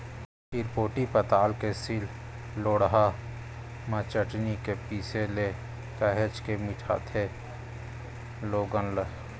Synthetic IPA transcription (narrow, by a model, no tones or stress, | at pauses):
iɾpoːʈipət̪aːlkesil | loːɽɦa | mãt͡ʃəʈnikepiːsele | kəɦet͡ʃkemɪʈʰa̰t̪ʰe | loːɡənlə